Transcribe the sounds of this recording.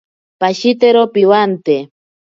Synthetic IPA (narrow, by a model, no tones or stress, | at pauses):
paʃit̪eɾopiwant̪e